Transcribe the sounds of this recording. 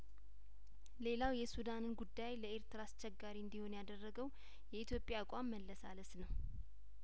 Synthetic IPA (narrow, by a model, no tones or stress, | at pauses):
le̞lawjɛsud̪anɨnɡud̪ːajləeɾt̪ɨɾaːst͡ʃːɛɡaɾiɨnd̪iho̞njad̪ərːəɡəw | jɛit̪ʰjo̞pʼjakʷʼamːəlːəsa̰ləsnəw